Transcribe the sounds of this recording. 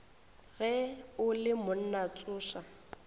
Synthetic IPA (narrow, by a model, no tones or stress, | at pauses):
ɣɛʊlɪmʊn̩nat͡sʼʊːʃa